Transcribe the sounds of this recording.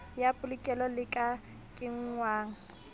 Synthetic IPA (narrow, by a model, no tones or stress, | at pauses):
japʼʊlɪkʼɛlɔlɪkʼa | kʼɪŋ̩ŋwaːŋ̩